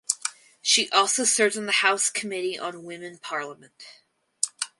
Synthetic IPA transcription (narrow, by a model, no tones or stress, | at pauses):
ʃiʔɔlˠsoʊsɜ˞vn̩ðɨhaʊskʰəmɪɾiʔə̰̃nwɪ̃mɨ̃npʰɑɹlˠəmɨ̃nt